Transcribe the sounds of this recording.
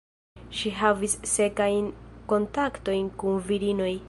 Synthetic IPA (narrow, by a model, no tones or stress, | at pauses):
ʃiɦavisse̞kajnko̞ntakto̞jnkunviɾino̞j